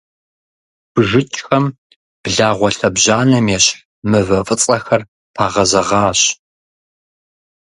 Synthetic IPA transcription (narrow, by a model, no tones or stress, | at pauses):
b̥ɨʒɨt͡ʃʼxɐm | b̥ɮaːʁʷɔɬɐbʑaːnɐmjɛɕ | mɨvɐfʼɨt͡sʼɐxɐr | pʰaːʁɐzɐʁɑːɕ